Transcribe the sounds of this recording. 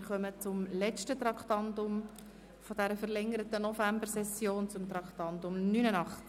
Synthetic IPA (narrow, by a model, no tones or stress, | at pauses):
χœmət͡sʊmlɛt͡ʃtət̪rɑkʰtɑntʊm | fod̥æɾəfəʁlɛŋəɾətənɔfæmbəɾsɛsːjoːnt͡sʊmt̪ɾɑkχtɑnt̪ʊmnyːnənɑχt͡s